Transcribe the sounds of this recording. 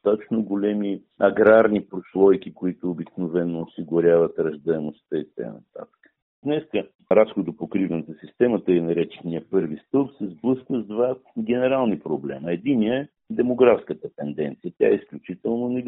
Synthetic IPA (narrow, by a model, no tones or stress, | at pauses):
t̪at̪ət͡ʃnoɡolʲɛmi | ɐɡɾaɾnipɾoslˠɔjk̟ikoit̪ʊːbiknovɛnːoːsiɡʊɾʲavɐt̪ɾɐʒd̪əɛmost̪əit̪̚a̰kjanɐ̰t̪a̰t̪ə̥kə̥ | d̪nɛskə | ɐɾapskot̪opokɾivnət̪əsist̪ɛmət̪əɛnɐɾɛt͡ʃɛ̥niəpɤɾvist̪ɤlˠpsɛzblˠɤskvəzd̪vaɡʲɛnɛɾalˠnipɾoblɛ̰məɛd̪iniəɛ | d̪ɛmoɡɾafskət̪ət̪ɛnd̪ɛnt̪sijət̪ʲa̰ɛisklʲut͡ʃit̪ɛlˠnonɛ